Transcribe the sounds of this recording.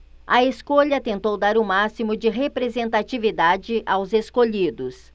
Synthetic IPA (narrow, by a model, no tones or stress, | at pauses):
ɐeskoʎɐt̪ẽnt̪owd̪aɾʊmasimʊd͡ʒɪɦepɾezẽnt̪at͡ʃivid̪ad͡ʒɪʔawzeskoʎid̪ʊs